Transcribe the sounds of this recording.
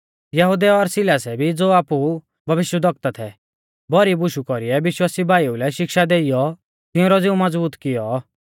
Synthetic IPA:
jɐɦud̪ɛɔɾsɪlaːsɛbʱid͡zoːaːpu | bʱɐʋɪʃwəd̪ɔk̚t̪at̪ʰɛ̰ | bɔɾibʊʃukɔɾiɛʋɪʃwaːsibʱaːiulɛʃɪkʃad̪eːijɔ | t̪ɪũɾɔd͡zɪũmɔd͡zbuːt̪kɪjɔ

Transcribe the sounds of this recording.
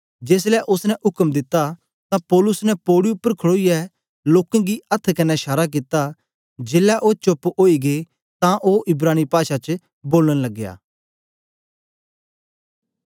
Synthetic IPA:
d͡ʒeːs̬lɛʔʊsnɛʔʊkəmd̪ɪt̪ːa | t̪ãpɔːlʊsnɛpoːɽiʊpːəɾkʰəɽoːijɛ | loːkãɡiɐt̪ʰːkɐnːɛʃaːɾak̬ɪt̪a | d͡ʒeːlɛʔot͡ʃʊpoːiɡe | t̪ãʔoʔɪbɾaːnipaːʃat͡ʃ | boːləñlɐɡːja̰ː

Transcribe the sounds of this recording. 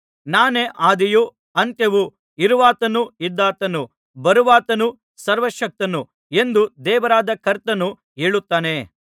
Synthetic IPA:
naːneːʔaːd̪iju | ɐnt̪ɐʋu | iɾuʋaːt̪ɐnuid̪ːaːt̪ɐnu | bɐɾuʋaːt̪ɐnu | sɐɾʋɐʃɐk̚t̪ɐnu | e̞nd̪ud̪ɛːʋɐɾaːd̪ɐkʰɐɾt̪ɐnu | ɦeːɭut̪ːaːne̞

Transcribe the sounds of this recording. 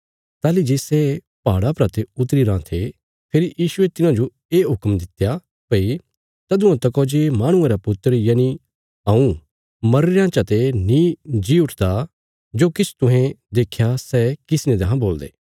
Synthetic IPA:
t̪aːlid͡ʒeːsɛ | paːɽapɾat̪eʊt̪̬ɾiɾãt̪ʰe | pʰeːɾijiːʃʊet̪ɪnãd͡ʒo | eːɦʊkmd̪ɪt̪ja | pɐi | t̪ɐd̪ʊ̃ãt̪ɐkoːd͡ʒemaːɽ̃ʊ̃ẽɾapʊt̪ːəɾjani | ãːũ | mɐɾɪɾãt͡ʃɐt̪enĩd͡ʒiʊʈʰd̪a | d͡ʒoːkɪt͡ʃʰt̪ʊ̃ɦẽd̪eːkʰːjasɛkɪsɪnẽd̪ɐɦãboːld̪ḛː

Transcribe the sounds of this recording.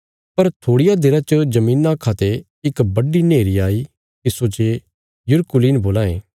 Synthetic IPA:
pɐɾt̪ʰoːɽɪjad̪ɪɾat͡ʃəd͡ʒɐmĩːnakʰaːt̪e | ɪkbɐɖineːɾiaːi | t̪ɪsot͡ʃe | jʊɾkʊliːnboːlaːẽː

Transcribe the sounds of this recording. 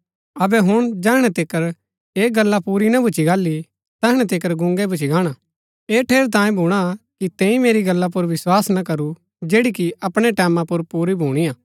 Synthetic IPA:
ɐbɛɦʊɽ̃d͡ʒɛːɦɽ̃ɛt̪ɪkəɾ | eːɡɐlːapuːɾinɐbʱʊt͡ʃʰiɡaːlːi | t̪ɛːɦɽ̃ɛ̃t̪ɪkəɾɡʊ̃ŋɡɛbʱʊt͡ʃʰiɡaːɽ̃a | eːʈʰeːɾt̪̬ãːjẽbʱuːɽ̃akit̪ɛ̃ːĩmeːɾiɡɐlːap̬ʊɾʋɪswaːsnakɐɾu | d͡ʒeːɽikiɐpɽ̃eʈɛːmãpʊɾpuːɾibʱuːɽ̃ijãː

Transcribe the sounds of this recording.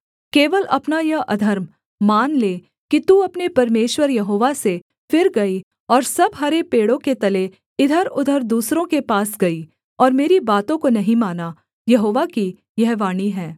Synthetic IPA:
keːʋəlɐpnajɐɦʔɐ̰d̪ʱəɾmː | aːnleː | kit̪uːɐpnepɐɾmeːʃwəɾjɐɦoːʋase | fɪɾɡɐi | ɔːɾsɐbɦɐɾepeːɽõket̪ɐle | ɪd̪ʱəɾʊd̪ʱəɾd̪uːsɾõkepaːsɡɐi | ɔːɾmeːɾibaːt̪õkonɐɦĩmaːna | jɐɦoːʋaki | jɐɦʋaːñiɦɛː

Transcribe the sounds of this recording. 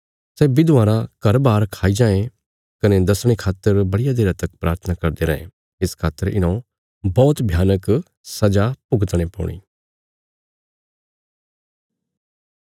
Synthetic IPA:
sɛbɪd̪ʊaːɾãkɐɾbaːɾkʰaːid͡ʒãːẽ | kɐnɛd̪ɐsɽ̃ekʰaːt̪ːəɾbɐɽɪijad̪eːɾat̪əkpɾʔaːɾt̪ʰənakɐɾd̪eɾɐḛ̃ | ɪskʰaːt̪ːəɾɪ̰nõ | bɔːt̪bʱjaːnək | sɐd͡ʒapʊɡt̪ɽ̃epɔ̰ːɽ̃ḭː

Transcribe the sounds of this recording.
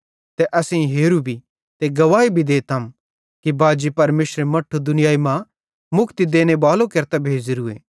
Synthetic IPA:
t̪ɛʔɐsẽĩɦeːɾubʱi | t̪eɡɐʋaːibʱid̪eːt̪ʰɐm | kibaːd͡ʒipɐɾmeːʃɾemɐʈʰːod̪ʊnɪjaːimã | mʊkʰt̪id̪eːñebaːlõkɐɾt̪abʱeːd͡ʒɾuḛː

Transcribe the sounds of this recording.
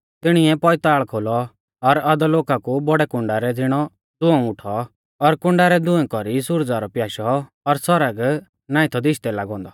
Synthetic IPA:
t̪ɪɽ̃iɛpɔɪt̪aːɭkʰoːlɔ | ɔɾad̪ɔloːkakubɔɽɛkʊ̃ɳɖaɾɛd͡zɪɽ̃ɔ | d̪ʊɛ̃ʊʈʰɔː | ɾkʊ̃ɳɖaɾɛd̪ʊ̃ɛ̃kɔɾisʊɾd͡zaɾɔpjaːʃɔ | ɔɾsɔɾəɡ | nãːĩt̪ʰɔd̪ɪʃt̪ɛlaːɡɔ̃ːnd̪ɔ

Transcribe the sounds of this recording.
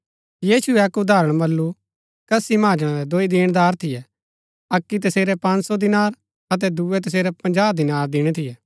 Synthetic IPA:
jiːʃuɛɐkʊd̪aːɾə̃ɽ̃mɐlːu | kɐsimãːd͡ʒəɽ̃ãɾɛd̪oːid̪ɪːɽ̃d̪aːɾt̪ʰɪjɛ | ɐkːit̪̬ɐseːɾɛpɐ̃nsɔd̪ɪnaːɾ | ɐt̪̬ɛd̪uɛt̪̬ɐs̬eːɾɛpɐ̃nd͡ʒaːd̪ɪnaːɾd̪ɪɽ̃ɛt̪ʰɪjɛ

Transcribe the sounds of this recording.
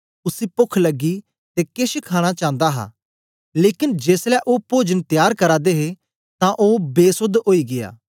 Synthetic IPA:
ʊsipʊkʰləɡːi | t̪eːkeʃkʰaːɽ̃at͡ʃãːnd̪aɦa̰ː | leːkɪnd͡ʒeːslɛːʔoːpoːd͡ʒənt̪ɪjaːɾkɐɾaːd̪eɦe | t̪ãʔoːbeːsʊd̪oːiːɡɪja̰ː

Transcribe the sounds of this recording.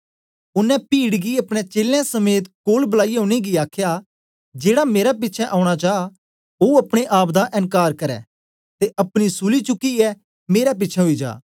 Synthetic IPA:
ʊnːɛ̃piːɽɡiɐpɽ̃et͡ʃeːljãsɐmeːt̪koːlbɐlaːiõːɽ̃eɡiaːkʰja | d͡ʒeːɽameːɾap̬ɪtːt͡ʃʰɛʔãːʊɽ̃ad͡ʒaː | oɐpɽ̃eʔaːpd̪aʔɪ̃ŋkaːɾkɐɾɛ̰ː | t̪eʔɐpɽ̃isʊlit͡ʃʊkːiɛ | meːɾap̬ɪtːt͡ʃʰɛɦoid͡ʒa̰ː

